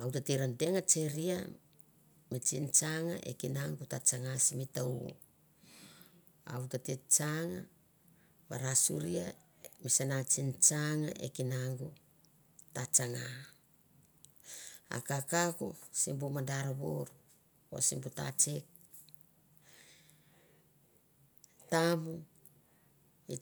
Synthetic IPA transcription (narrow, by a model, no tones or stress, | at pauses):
awtatiɾandeŋat͡ʃeɾia | mit͡ʃint͡ʃaŋa̰ʔḛkinaŋɡutat͡ʃaŋasimitawo̰ | a̰utatit͡ʃaŋa | ba̰ɾasṵɾia | misanat͡ʃint͡ʃaŋaʔḛkinaŋɡu | tat͡ʃaŋa | a̰kakakusimbumadaɾaβo̰ɾu | o̰simbuta̰t͡ʃek̚ | tamu | i